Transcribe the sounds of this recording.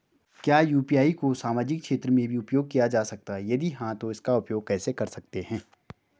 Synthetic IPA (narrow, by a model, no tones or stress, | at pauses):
kjaːjuːpijaːikosaːmaːd͡ʒɪkkʃeːt̪ɾəmẽbʱiʊpjoːɡ̚kijad͡ʒaːsɐk̚t̪aɦɛjɐd̪iɦãt̪oɪskaʊpjoːɡ̚kɛːsekɐɾsɐk̚t̪eɦɛ̃ː